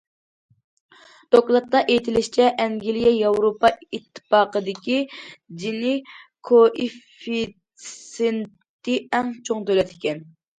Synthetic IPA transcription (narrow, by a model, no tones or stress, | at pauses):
d̪̥oklˠɑt̪ːɑʔejt̪ʰɪlɪʃt͡ʃʰɛʔɛŋɡʲilijɛjɑwɾopɑit̪ʰːɨ̥pɑːqəd̪ɪkʲid͡ʒinɪkʰoʔifi | sent̪ːɪɛŋt͡ʃʰoŋt̪ølɛt̪ʰɪ̥kʲʰɛn